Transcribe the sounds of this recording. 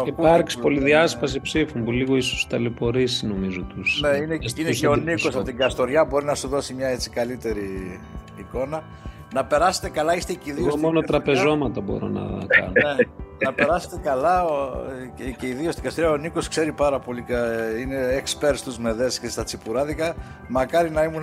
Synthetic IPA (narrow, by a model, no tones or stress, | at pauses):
iupɐɾksipoliðiɐspɐs̬ipsifumpuliɣoiso̥st̪ɐlipo̞ɾisnomizot̪usneineineeoniko̞sɐpot̪iɡɐst̪o̞ɾʝɐbo̞ɾinɐsuðo̞simɲɐe̞t͡si̥kɐlit̪e̞ɾiː | ko̞nɐ | nɐpe̞ɾɐse̞̥t̪e̞kɐlɐist̪eciðiomonot̪ɾɐpe̞zo̞mɐt̪ɐbo̞̰ɾo̰nɐ̰kɐ̰noneɐpe̞ɾɐse̥t̪ekɐlɐo | ceiðio̞st̪iɡɐst̪oɾʝɐo̞niko̞skse̞ɾipɐɾɐpo̞likine̞ekspeɾst̪uzme̞ðe̞scest̪ɐt͡sipuɾɐðikɐ | mɐkɐɾinɐimun